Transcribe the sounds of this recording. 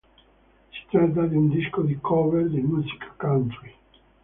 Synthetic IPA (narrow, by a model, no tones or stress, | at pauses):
si̥t̪ɾat̪̬ːad̪iund̪iskod̪ikʰɔveɾd̪imuːsi̥kʰḁkant̪ɾi